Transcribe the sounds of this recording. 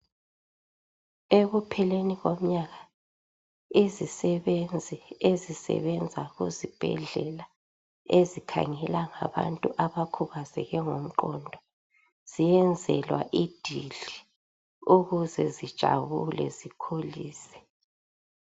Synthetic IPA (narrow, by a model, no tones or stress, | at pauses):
eɣupʰɛleniɣom̩ɲaɣa | izisɛβend͡zʱiezisɛ̰βɛnd͡zʱaɣuzib̥ʱɛ̰ɮɛla | ezikʰa̰ŋɛlaŋa̰βa̰ntʼuʔaβakʰuɣazɛ̰ɣɛŋom̩ǃɔndʱɔ | z̥ijɛnd͡zʱɛlwa̰ʔid̥ʱiɮi | uɣuzɛzid̥ʒ̥ʱa̰βulɛ̰zikʰoliːsɛ̥